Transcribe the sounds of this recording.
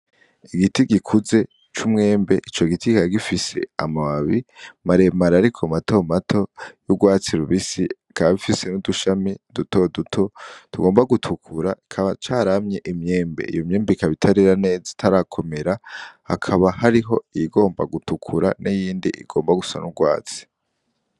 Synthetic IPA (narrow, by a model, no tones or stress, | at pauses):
iɡitiɡikʰuze̞ | t͡ʃumŋe̞ːmbe̞ʔit͡ʃo̞ɡitikaɡifise̞̰a̰maβaβimaɾemaɾaɾikʰomatomatʰo̞juɡwaːt͡siɾuβisi | kaβaβifise̞nuduʃamiduto̞dutʰo̞tuɡoːmbaɡutʰukʰuɾaikʰaβat͡ʃaːɾamɲe̞ʔimɲe̞ːmbḛḭjomɲe̞ːmbeikaβitʰaɾiɾane̞ːzatʰaɾakʰo̞me̞ɾahakʰaβahaɾiɦo̞iɡo̞ːmba̰ɡutukʰuɾanijiːndḭʔḭɡo̞ːmbaɡusa̰nuɡwa̰ːt͡si̥